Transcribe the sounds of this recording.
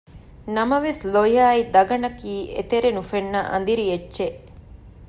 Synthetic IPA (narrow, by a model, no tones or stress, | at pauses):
nɐmɐʋeslojaːid̪ɐɡɐnɐkiːʔḛt̪eɾenufenːɐʔɐ̰nd̪iɾijet͡ʃːʃeʔ